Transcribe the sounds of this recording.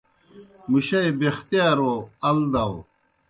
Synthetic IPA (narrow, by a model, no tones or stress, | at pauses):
muɕɐjbext̪ijaːɾoɐld̪ɐw